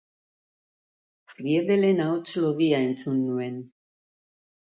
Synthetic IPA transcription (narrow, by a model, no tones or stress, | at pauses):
frieðelenaot͡ʃoloɣiae̞nt͡sunːue̞n